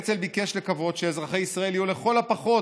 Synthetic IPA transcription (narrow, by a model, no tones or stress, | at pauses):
t͡selbikeʃlekavo̞t̪ʃeezʁaχeisʁaeljuleχo̞lapaχo̞